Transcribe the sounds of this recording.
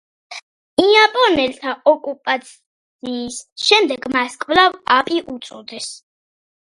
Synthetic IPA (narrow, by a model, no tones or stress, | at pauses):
iapʼɔnɛlt̪ʰaɔkʼupʼat̪sʰ | iːsʃɛmd̪ɛɡmaskʼvlavapʼiʔut̪sʼɔd̪ɛs